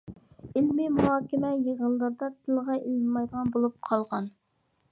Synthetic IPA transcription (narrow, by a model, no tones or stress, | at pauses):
ɪlmɪmuɦɑːkʲɪmɛjeʁəlˠːɨɾd̪ɑt̪ʰɨlˠʁɑʔelmɑjd̪əʁɑnbolˠup̚qʰɑlˠʁɑn